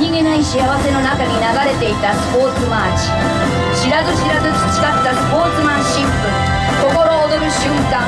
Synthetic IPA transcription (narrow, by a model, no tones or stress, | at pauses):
ɲiɡe̞naiɕiaβ̞ase̞no̞nakaɲ̟inaɡaɾe̞t̪e̞it̪asɨ̥po̞ːt͡sɨmaːt͡ɕi̥ | ɕiɾazɨɕiɾazɨki̥t͡ɕi̥kat̪ːasɨ̥po̞ːt͡sɨmãɰ̃ɕĩmpɯ̟ | ko̞ko̞ɾo̞ːd̪o̞ɾɯ̟ɕɨ̃ŋkã